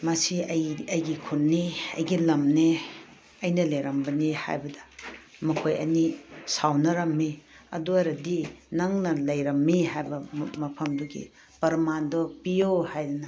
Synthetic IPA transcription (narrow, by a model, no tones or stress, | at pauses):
mɐsiɐjɐjɡikʰunnːiɐ̰jɡilɐmne | ɐjnɐleɾɐmbɐniha̰jbɐdɐ̥mɐkʰojɐ̰nisawnɐɾɐmːi | ɐ̰duɐɾɐdinɐŋnɐlɐjɾɐmːihajbɐmɐpʰɐmduɡḭ | pɐɾmandɔpijohajlnɐ